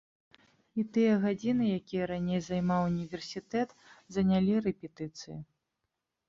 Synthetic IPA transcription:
it̪ɨjɐɣad͡zʲinɨjakʲijɐɾanʲejzajmawunʲivʲɛrsʲit̪ɛt̪ | zɐnʲalʲiɾɛpʲɛt̪ɨt̪sɨjḭ

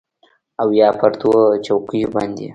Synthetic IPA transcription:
awjɑpʰəɾt̪ot͡ʃawkəjobɑnd̪e

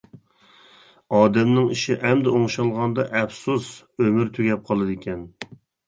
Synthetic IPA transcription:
ɑːd̪ɛmnɪŋiʃɪʔɛmd̪ɛoŋʃɑlˠʁɑnd̪ɑʔɛfsus | ømyɾt̪ʰyɡʲɛp̚qʰɑlˠɨd̪ɪkʲʰɛn

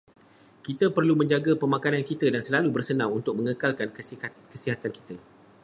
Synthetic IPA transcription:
kit̪apərlumə̃ɲd͡ʒaɡapəmãkanankit̪ədansəlalubərsənãŋunt̪ʊk̚mə̃ŋəkalkankəsiɦat̪anki̥t̪ə

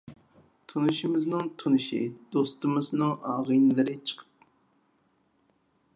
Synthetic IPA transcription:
t̪ʰunɨʃimɪznɨŋt̪ʰunɨʃḭd̪̥ost̪ɨmɨznɨŋʔɑːʁijnɨlˠɨɾɨt͡ʃʰə̥qʰə̥p̚

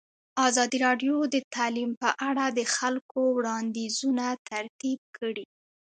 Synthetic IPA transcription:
ɑzɑd̪iɾɑɖjod̪ət̪ɑlimpəʔaɽad̪əxalkowɽɑnd̪izunat̪aɾt̪ib̚kʰəɽi

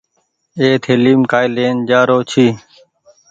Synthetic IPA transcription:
eːt̪ʰeːliːmkaːjleːnd͡ʒaːɾoːt͡ʃʰiː

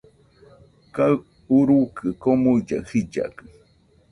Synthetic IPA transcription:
ka | uɾukɨkomud͡ʒa̰hid͡ʒa̰kɨ

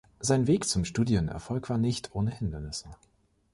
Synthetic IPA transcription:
z̥aɪnveːkt͡sʊmʃtuːdjənɛ̰ɐfɔlkv̥aːɐnɪçtʰʔoːnəhɪndɐnɪsə

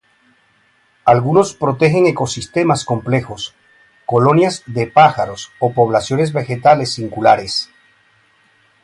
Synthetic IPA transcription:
alɣuno̞spɾo̞t̪e̞xe̞ŋe̞ko̞sist̪e̞masko̞mple̞xo̞s | ko̞lo̞njazðepaxaɾo̞so̞po̞β̞lasjo̞ne̞zβe̞xe̞t̪ale̞sːiŋkulaɾes

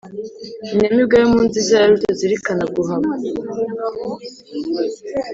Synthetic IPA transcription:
inemibɡajomuːnzizaaɾutoziɾikanaɡuɦama

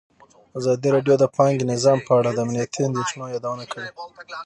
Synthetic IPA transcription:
azɑd̪iɾɑɖjod̪əpɑŋɡnɪzɑmpəaɽad̪əamnijat̪ʰiand̪et͡ʃunojɑd̪awənakəwi

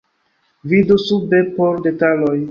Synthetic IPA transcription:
vidusubepoɾdetaloj

